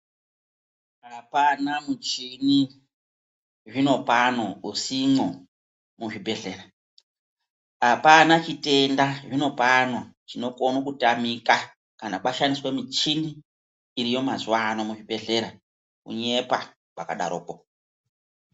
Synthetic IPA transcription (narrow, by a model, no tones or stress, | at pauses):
ɦapanamut͡ʃini | ʐino̞panousimo | muʐibʱe̞ɮe̞ɾa | apanat͡ʃite̞ndaʐino̞panot͡ʃino̞konokutamika | kanaɓaʃaniswe̞mit͡ʃiniː | ɾijo̞mazuwanomuʐibʱe̞ɮe̞ɾa | kṵɲe̞pa | ɓakaɗa̰ɾo̰ːko